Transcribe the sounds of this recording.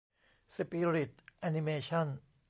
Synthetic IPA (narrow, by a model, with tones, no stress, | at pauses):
si˧pi˧ɾi˨˩t̪̚ʔa˧ni˧meː˧t͡ɕʰɔ˥˩n